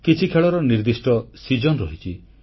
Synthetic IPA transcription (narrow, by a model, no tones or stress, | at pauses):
kit͡ʃʰikʰeɭɔɾɔniɾd̪isʈɔsid͡ʒɔnɾɔɦit͡ʃʰi